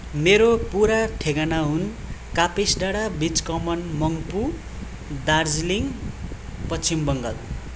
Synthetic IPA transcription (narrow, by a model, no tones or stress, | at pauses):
meɾopuɾaʈʰeɡanaɦun | kapesɖaɽabit͡skʌmʌnmʌŋpu | d̪ard͡zliŋ | pʌt͡sʰimbʌŋɡʌl